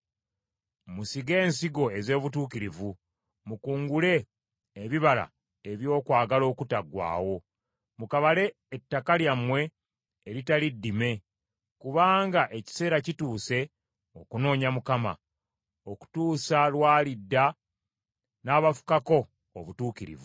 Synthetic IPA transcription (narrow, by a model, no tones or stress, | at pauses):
musiɡe̞ːnsiɡo̞e̞ze̞ːβutuːkiɾivu | mukuːŋɡule̞ː | βiβala̰ | eβjo̞ːkwaːɡalo̞ːkutaɡwa̰ːwo̞ | mukaβale̞ːtːakaljamwe̞ː | ɾitalidːime̞ | kuβaːŋɡaʔe̞ci̥se̞ːɾacituːse̞ | o̞kuno̞ːɲamukama̰ | oku̥tuːsalwaːlidːa | naːβafu̥kako̞̰ː | βutuːkiɾḭvu